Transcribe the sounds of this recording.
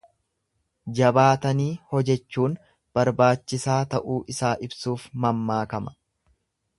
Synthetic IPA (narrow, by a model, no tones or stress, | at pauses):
d͡ʒɐbaːt̪ɐniːhɔd͡ʒɛt͡ʃːuːn | b̥ɐɾbaːt͡ʃːɪsaːt̪ɐʔuːʔɪsaːʔɪbsuːfmɐmːaːkɐmɐ̥